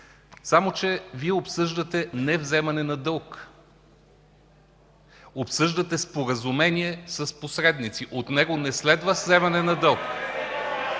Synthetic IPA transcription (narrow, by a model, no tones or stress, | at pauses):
samot͡ʃɛviɛopsɤʒd̪ɐt̪ɛnɛvzɛmɐnɛnɐd̪ɤlˠk | opsɤʒd̪ɐt̪ɛspoɾɐzumɛnʲiɛsɐsposɾɛd̪nit̪siʔot̪nɛɡonɛslɛd̪vəzɛmɐnɛnɐd̪ɤlˠk